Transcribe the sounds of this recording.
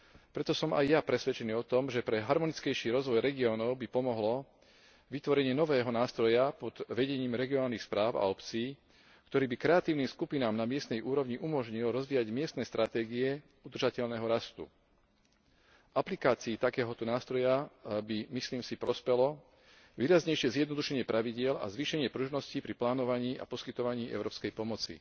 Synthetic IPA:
pɾɛt̪ɔsɔmʔa̰jːapɾɛsʋɛt͡ʃɛniːɔt̪ɔmʒɛpɾɛɦaɾmɔnit͡skɛjʃiːɾɔzʋɔjɾɛɡiɔːnɔʊbipɔmɔɦlɔ | ʋit̪ʋɔɾɛɲɪɛnɔʋɛːɦɔnaːst̪ɾɔjapɔd̪̥ʋɛɟɛɲiːmɾɛɡiɔnaːlnixspɾaːʊa̰ɔpt͡siː | kt̪ɔɾiːbikɾɛat̪iːʊniːmskupinaːmnamɪɛst̪nɛjʔuːɾɔʋɲiʔumɔʒɲilɾɔzʋiːjaɟmɪɛst̪nɛːst̪ɾat̪ɛːɡiɛ | ud̪r̩ʒacɛʎnɛɦɔɾast̪ṵ | ʔaplikaːt͡siːt̪akɛːɦɔt̪ɔnaːst̪ɾɔjabimisliːmsipɾɔspɛlɔ | ʋiːɾazɲɛjʃɪɛzjɛd̪nɔd̪uʃɛɲɪɛpɾʔaʋiɟɪɛla̰zʋiːʃɛɲɪɛpɾuːʒnɔscipɾiplaːnɔʋaɲiːa̰pɔskit̪ɔʋaɲiːɛ̰ʊɾɔːpskɛjpɔmɔt͡sḭ

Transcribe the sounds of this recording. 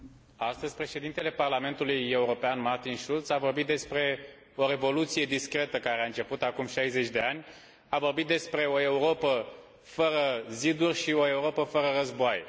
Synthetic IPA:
ast̪əzʲpɾe̞ʃe̞d̪int̪e̞le̞parlame̞nt̪uluje̞uɾo̞peanmart̪inʃult̪savo̞rbit̪̚d̪e̞spɾe̞ | o̞ɾe̞vo̞lut̪sije̞d̪iskɾe̞t̪əkaɾeaɨnt͡ʃe̞put̪akumʃajze̞t͡ʃʲd̪e̞anʲ | avorbit̪̚d̪e̞spɾe̞o̞e̞uɾo̞pə | fəɾəzid̪urʲʃio̞e̞uɾo̞pəfəɾəɾəzboaje

